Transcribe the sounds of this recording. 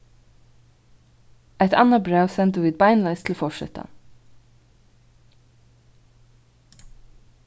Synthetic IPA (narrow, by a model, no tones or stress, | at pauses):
ʔɛt̪ʰɑ̰nɑbɹaʊsɛnt̪ʊʋiːd̪̚bɑɪnlɑɪst̪ʰl̩fɔʃɛ̰t̪ʰɑ̰n